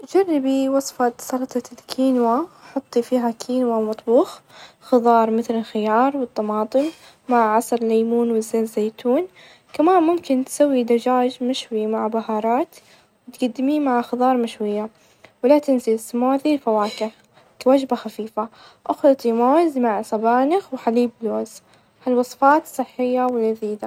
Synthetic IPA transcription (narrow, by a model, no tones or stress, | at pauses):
d͡ʒarˤːɪbiwɑsˤfɑt̪sɑɾˤt̪ˤɑlkʰiːnwaħʊt̪ˤːifiːɦakʰiːnwamɑt̪ˤbuːx | xɨðˤɑːɾˤmɪθlɪlxɪjɑːɾˤwɨt̪ˤːɑmɑːt̪ˤɨmː | aʕʕɑsˤɑɾlːajmuːnwɪzːazeːt̪uːn | kamaːnmʊmkɪnt̪sawːid̪ad͡ʒaːd͡ʒmɪʃwimaʕbaɦɑːɾˤɑːt̪ | wɪt̪ɡad̪ːɪmimaʕxɨðˤɑːɾˤmɪʃwɪjːa | wɪlat̪ɪnzɪlɪsːɪmoːʕðilfawaːkɪ | kawad͡ʒbaxafiːfaʔʊxlɑt̪ˤːimoːzmaʕsˤɑbaːnɪxwħaliːbloːz | halwɑsˤfɑːt̪sˤɨħːɪjːawɪlːaðiːd̪a